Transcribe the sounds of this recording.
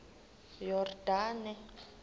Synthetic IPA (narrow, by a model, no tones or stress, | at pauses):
jɔrdaːnɛ